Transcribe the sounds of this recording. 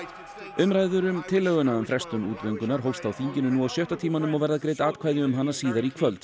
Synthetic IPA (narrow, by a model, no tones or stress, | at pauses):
ʏmɾaːjðʏɾʏmt̪ʰɪlːœɣʏnaʏmfɾɛst̪ʏnṵːt̪vœjŋkʏnaɾɦowst̪awθiɲcɪnʏnuawsjœht̪at̪ʰiːmanʏmɔɣvɛɾðakɾeːjt̪aːt̪kʰvajðʏʏmɦanːasiːðaɾikʰvœlt̪